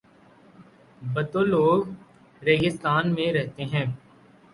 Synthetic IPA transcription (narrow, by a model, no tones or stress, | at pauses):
bət̪oloːɡ | ɾeːɡɪst̪aːnmẽɾɛɦt̪eɦɛ̃ː